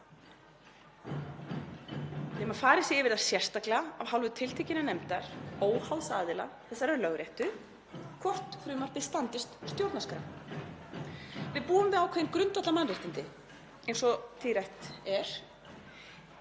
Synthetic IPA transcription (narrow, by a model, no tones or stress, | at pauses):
θɪmaɾfaːɾɪsiɪvɪɾðaɾ̥sjɛr̥t̪aklɛɣaavhawlvʏt̪ʰɪl̥t̪ʰɛcɪnanɛmt̪aɾ̥oːwhawsaːðɪla̰θɛsːaɾɛɾlœɣɾjɛht̪ʏ | kʰvɔr̥t̪fɾʏːmar̥pɪ̥st̪ant̪ɪst̪st̪jow̪t̪naskɾaw | vɪðpuːʏmvɪðawkʰvɛjɪnkɾʏnt̪at̪lamanrɪht̪ɪnt̪ɪ | ejnsɔt̪ʰirajht̪ɛɾ̥